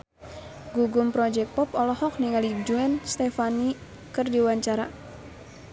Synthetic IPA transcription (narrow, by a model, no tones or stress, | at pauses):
ɡuɡumpɾɔd͡ʒɛk̚pɔpɔlɔhɔk̚niŋalid͡ʒuɛnst̪ɛfani | kɨrdiwaɲt͡ʃaɾa